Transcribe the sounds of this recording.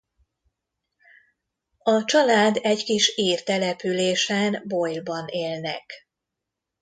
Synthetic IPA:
ɒt͡ʃɒlaːd̪ɛɟkiʃiːrt̪ɛlɛpyleːʃɛnbojlbɒneːlnɛk

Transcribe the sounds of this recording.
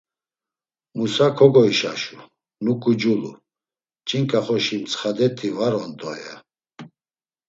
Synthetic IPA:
musakʰɔɡɔiʃaʃu | nukʼud͡ʒulṵ | t͡ʃʼiŋkʼaχɔʃimt͡sʰχad̪ɛt̪ʰivaɾɔnd̪ʼɔja̰

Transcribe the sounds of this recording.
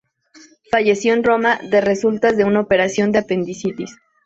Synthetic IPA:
faʝe̞sjo̞enro̞maðe̞re̞sult̪azðe̞unaope̞ɾasjo̞nd̪eape̞nd̪isit̪is

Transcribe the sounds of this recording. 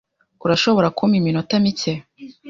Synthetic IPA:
uɾaʃo̞βo̞ɾakʰumiminotamice

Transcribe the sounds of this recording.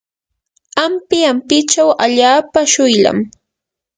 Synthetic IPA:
ampɪampɪt͡ʃawaʎaːpaʃʊjla̰m

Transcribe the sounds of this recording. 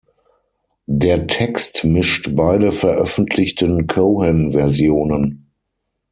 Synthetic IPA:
deːɐtʰɛkstmɪʃtbaɪdəfɛɐʔœfn̩tʰlɪçtənkʰoʊhɛmvɛɐzjoːnən

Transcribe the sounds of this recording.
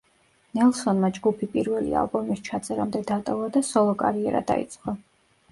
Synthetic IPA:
nɛlˠsɔnmad͡ʒɡupʰipʼiɾvɛlḭa̰lˠbɔmist͡ʃʰat̪sʼɛɾamd̪ɛd̪at̪ʼɔvad̪asɔlˠɔkʼaɾiɛɾa̰d̪a̰ḭt̪sʼqʼɔ

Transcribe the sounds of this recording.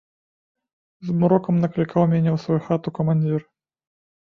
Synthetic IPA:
zmuɾɔkɐmnɐklʲikawmʲɛnʲɛwsvɔjuxat̪ukɐmanʲd͡zʲir

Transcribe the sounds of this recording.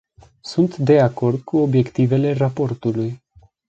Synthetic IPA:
sunt̪d̪e̞ako̞rd̪̚kʰuo̞bje̞kt̪ive̞le̞rapo̞rt̪uluj

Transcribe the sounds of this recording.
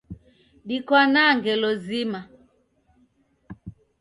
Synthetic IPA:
ɗikwanaŋɡɛlɔzima

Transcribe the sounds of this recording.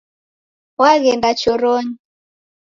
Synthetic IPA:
waɣɛndat͡ʃɔɾɔɲi

